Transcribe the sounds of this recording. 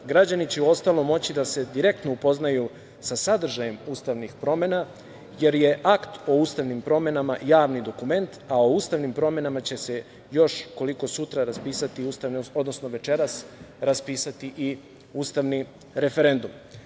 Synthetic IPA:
ɡɾad͡ʑanit͡ɕeuo̞st̪alo̞mo̞t͡ɕid̪ase̞d̪iɾe̞k̚t̪noupo̞znaju | sasad̪r̩ʒaje̞muːst̪aʋnixpɾo̞me̞na | je̞ɾje̞ʔakt̪o̞uːst̪aʋnimpɾo̞me̞namajaːʋnid̪o̞kume̞nt̪aoust̪aʋnimpɾo̞me̞namat͡ɕe̞se̞ | jo̞ʃko̞liko̞sut̪ɾaɾaspiːsat̪iust̪aʋno̞d̪nosnoʋe̞t͡ʃe̞ɾasɾaspiːsat̪iʔi | uːst̪aʋni | ɾe̞fe̞ɾe̞nd̪um

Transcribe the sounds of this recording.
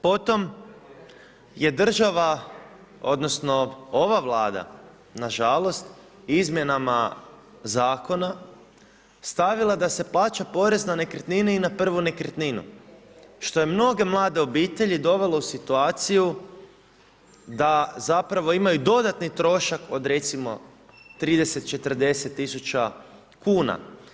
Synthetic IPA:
po̞t̪o̞m | je̞d̪r̩ʒaʋa | o̞̰d̪no̞sno̞o̞ʋaʋlˠaːd̪a̰ | naʒalˠo̞st̪ | izmje̞nama | zaːko̞na | st̪aʋilˠad̪ase̞plˠaːt͡ʃapo̞ɾe̞znane̞kɾet̪ninuinapr̩ʋune̞kɾt̪ninṵ | ʃt̪o̞je̞mno̞ɡe̞mlˠaːd̪e̞o̞biːt̪e̞ʎid̪o̞ʋe̞lo̞usit̪uaːt̪siju | d̪azapɾaʋo̞imajud̪o̞d̪at̪nit̪ɾo̞ʃako̞d̪ɾe̞t̪simo̞ | t̪ɾiːd̪e̞set̪̚t͡ʃe̞t̪ərd̪e̞se̞t̪ːisut͡ʃa | kuːna̰

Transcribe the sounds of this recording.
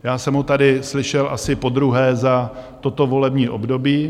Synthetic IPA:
jaːsɛmɦut̪adɪslɪʃɛlʔa̰sɪpo̞d̪ɾuɦɛːzat̪o̞t̪o̞vo̞lɛbɲiːʔo̞bdo̞biː

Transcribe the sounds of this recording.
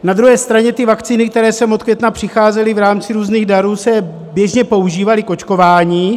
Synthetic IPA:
nad̪ɾuɦɛːst̪ɾaɲɛt̪ɪvakt͡siːnɪk̚t̪ɛɾɛːsɛmot̪kvjɛt̪napr̝̥ɪxaːzɛlɪvɾaːmt͡sɪɾuːzniːɣdaɾuːsɛ | bjɛʒɲɛpo̞uʒiːvalɪkʔo̞t͡ʃko̞vaːɲiː

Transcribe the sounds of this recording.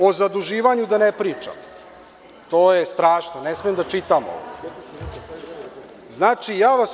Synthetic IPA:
ozad̪uʒiːʋaɲud̪anepɾiːt͡ʂa̰m | t̪oːjest̪ɾaːʃnonesmijemd̪at͡ʂit̪amo̰ʋo̰ | znaːt͡ʃijaːʋas

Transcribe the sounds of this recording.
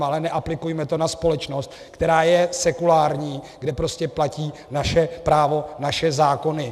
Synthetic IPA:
alɛnɛʔaplɪkujmɛt̪o̞naspo̞lɛt͡ʃno̞st̪ | kt̪ɛɾaːjɛsɛkulaːɾɲiːɡdɛpɾo̞scɛplaciːnaʃɛpɾaːvo̞naʃɛzaːko̞nɪ

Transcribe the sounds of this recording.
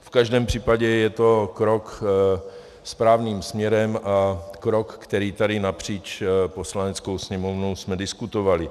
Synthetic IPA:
fkaʒdɛːmpr̝̥iːpaɟɛjɛt̪o̞kɾo̞k | spɾaːvniːmsmɲɛɾɛmʔakɾokkt̪ɛɾiːt̪adɪnapr̝̥iːt͡ʃpo̞slanɛt͡skowsɲɛmo̞vnowsmɛdɪskut̪o̞valɪ

